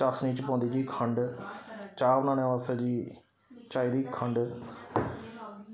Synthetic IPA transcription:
t͡ʃasniːt͡ʃpɔ̃ːnd̪iːd͡ʒiːkʰəɳɖ | t͡ʃaːnãːnẽːʋasaːd͡ʒiː | t͡ʃaːiːd̪iːkʰəɳɖ

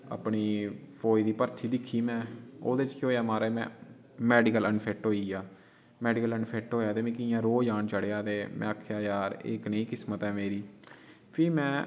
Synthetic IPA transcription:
a̰ːpɳiːpʰoːid̪iːpəɾt̪ʰiːd̪ɪkʰːiːmɛ̃ːoːd̪eːt͡ʃkoːjaːmaːɾɛːmɛ̰̃ː | mɛːɖɪkələnpʰɛːʈɦoːiːaː | mɛːɖiːkələnpʰeːk̚ʈɦoːjaːt̪eːmɛ̃ːkɪjãːɾoːd͡ʒaːɳt͡ʃəɽːaːt̪eːmʔɛ̰̃ːakʰːjaːjaːɾɪ̰knəĩːkɪsmət̪ɦɛːmeːɾiː | pʰɪːmɛ̃ː

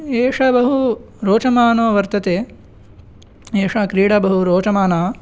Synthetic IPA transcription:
eːʂɐbɐɦu | ɾoːt͡ʃɐmaːnoːʋɐɾt̪ɐt̪eː | eːʂɐkɾiːɽɐbɐɦuɾoːt͡ʃɐmaːnaː

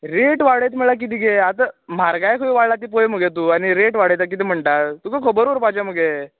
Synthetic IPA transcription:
ɾeʈʋaɽet̪m̤əɭak̬it̪iːɡeat̪am̤aɾɡajkʰəʋiʋaɭlat̪iːp̬ojm̤əɡet̪̬uːaniɾeʈʋaɽjt̪ak̬it̪̬iːm̤əɳʈat̪ukəkʰəbəɾʋəɾpat͡ɕaməɡe

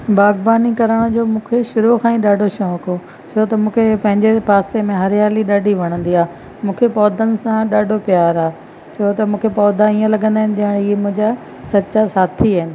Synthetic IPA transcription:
baːɡbaːnikɐɾəɽ̃d͡ʑoːmũːkʰeʃʊɾukʰãːĩɗaːɖʱoʃɔ̃ːko | t͡ɕʰoːt̪ɐmũːkʰepɐ̃ɦɪ̃ɲd͡ʑepaːsemẽɦɐɾjaːliɗaːɖʱiʋɐɽ̃ə̃nd̪iaːɦ | mũːkʰepɔːd̪ʱənɪ̆sãɗaːɖʱopijaːɾaːe | t͡ɕʰoːt̪ɐmũːkʰepɔːd̪ʱãiːə̃lɐɠə̃nd̪aːɦɪnɪ̆d͡ʑɐɪɽ̃iːmʊ̃ɦɪ̃ɲd͡ʑa | sɐtːɕasaːt̪ʰiaːɪnɪ̆

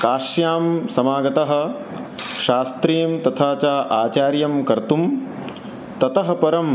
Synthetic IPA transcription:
kaːʃjaːmsɐmaːɡɐt̪ɐɦɐ̆ | ʃaːst̪ɾiːmt̪ɐt̪ʰaːt͡ʃaːʔaːt͡ʃaːɾjɐmkɐɾt̪um | t̪ɐt̪ɐɦɐ̆pɐɾɐm

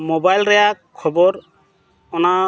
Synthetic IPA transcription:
mobajlɾɛjakʰːɔbɔɹ | ɔna

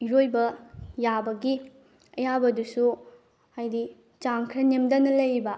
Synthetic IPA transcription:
iɾojbɐjabɐɡi | ɐjabɐdusu | hajdi | t͡ʃaŋkʰɾɐnemdɐnɐlɐjbɐ

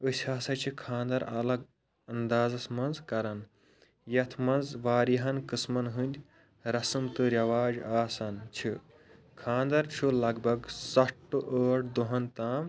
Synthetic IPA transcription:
ɨsʲaːsɐt͡ʃʰikʰãːnd̪ɐɾɐ̰lɐɡ | ɐnd̪aːzɐsmɐnzkɐɾɐn | jɐt̪ʰmɐnzʋaːɾiɦɐnkɨsmɐnɦɨnʲd̪ʲ | ɾɐsɐmt̪ɨɾjɐʋaːd͡ʒaːsɐnt͡ʃʰi | kʰãːnd̪ɐɾt͡ʃʰulɐɡbʱɐɡsɐʈːuʔəːʈd̪uɦɐnt̪aːm

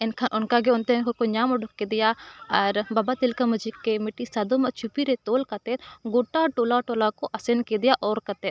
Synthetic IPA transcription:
ɪnkʰaʔʊnkaɡeʊnt̪ekokoɲaːmɐɖʱʊkːed̪ɪjaɐɾbabat̪ɪlkɐmɐd͡ʒikːemɪʈisɐd̪omɐt͡ʃʰupiɾet̪oːlkɐt̪et̪ɡoːʈːaʈoːlaʈoːlakoʔɐsenked̪ɪjaʔɔːɾkɐt̪et̪

